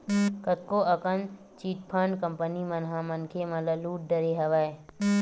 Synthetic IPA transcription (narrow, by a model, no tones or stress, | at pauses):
kət̪̚koʔɐkən | t͡ʃiːʈ̚pʰaɳɖkəmpənimənɦãmənkʰemɐləluːʈ̚ɖəɾeɦɐʋaːe